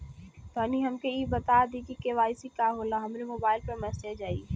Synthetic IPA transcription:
t̪ɔːniɦɐmkeibɐt̪aːd̪ikikeʋaːɪsikaːɦoːlaɦɐmɾimoːbaːɪlpɐɾmɛsed͡ʒaːi

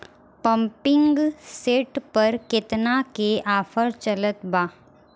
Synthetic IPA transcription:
pə̃mpɪ̃ŋɡseːʈpɐɾkɪt̪nakeʔaːfʰəɾt͡ʃɐlət̪baː

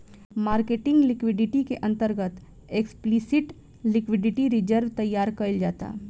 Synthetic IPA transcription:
maːɾkeːʈɪ̃ŋɡlɪkʋɪɖɪʈikeʔɐ̃nt̪əɾɡət̪ | eksplisɪʈ | lɪkʋɪɖɪʈiɾɪd͡ʒəɾʋt̪ɐjːaːɾkɐɪld͡ʒaːt̪a̰ː

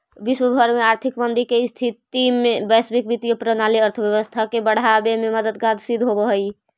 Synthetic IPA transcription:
biswəɡʱəɾmeaɾt̪ʰikbənd̪ikest̪ʰit̪imebəsbikbit̪ijəpɾənaliəɾt̪ʰəbjəβəst̪ʰakebəɽ̤abememəd̪əd̪ɡad̪sid̪ʱɦobəɦəj

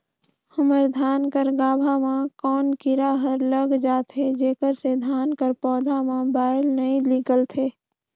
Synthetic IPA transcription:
həməɾd̪ʱaːnkəɾɡaːbʱamãkɔːnkɪɾaɦəɾləɡd͡ʒaːt̪ɦed͡ʒeːkəɾsed̪ʱaːnkəɾpɔːd̪ʱamãbaːɪlnəĩliɡəlt̪ʰeː

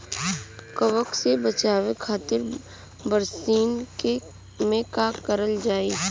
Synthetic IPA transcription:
kəʋəksebət͡ʃaːwekʰaːt̪ɪɾ | bəɾsiːnke | mẽkaːkəɾəld͡ʒaːiː

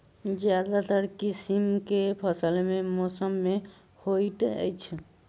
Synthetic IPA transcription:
d͡ʒjad̪at̪əɾkisimkepʰəsəlememosəmːe | hojt̪ə̰jt͡ʃʰ

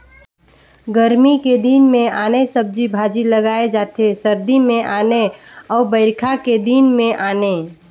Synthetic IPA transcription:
ɡəɾmiked̪iːnmẽaːnesəb̚d͡ʒibʱaːd͡ʒiləɡaːed͡ʒaːt̪esəɾd̪imẽʔaːne | ɔːɾbəɪɾkʰaked̪iːnmẽʔaːne

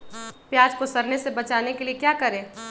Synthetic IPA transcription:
pjaːd͡ʒkosɐɾnesebɐt͡ʃaːnekeliekjaːkɐɾẽː

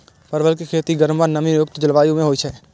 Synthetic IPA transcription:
pəɾʋəlk̬ekʰeːt̪iɡəɾmʋanəminjʊk̚t̪d͡ʒəlʋaːjõmẽɦoːit͡ʃʰɛː

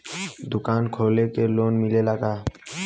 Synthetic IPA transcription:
d̪ʊkaːnkʰoːlekeloːnmɪlelaɡaː

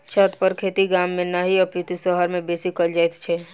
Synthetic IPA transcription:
t͡ʃʰət̪pəɾkʰeːt̪iɡaːmːẽnaɦiɔput̪isɔɦəɾmẽbeːsikəld͡ʒaɛt̪t͡ʃʰɛː

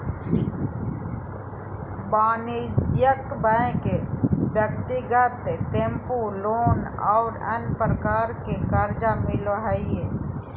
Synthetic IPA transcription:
baːnid͡ʒjəkbəẽkebjəkt̪ɪɡət̪et̪ẽmpuloːnɔːɾə̰npɾəkaːɾkekəɾd͡ʒamɪloɦɛije

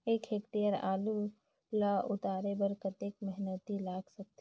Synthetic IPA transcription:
eːkʰeːkʈ̪iəɾa̰ːlu | laʔʊt̪aːɾebɐɾkɐt̪eːkmɛɦnət̪ilaːɡsɐk̚t̪

